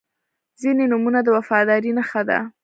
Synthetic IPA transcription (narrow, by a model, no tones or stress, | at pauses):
zinenumunad̪əwafɑd̪ɑɾinaxad̪a̰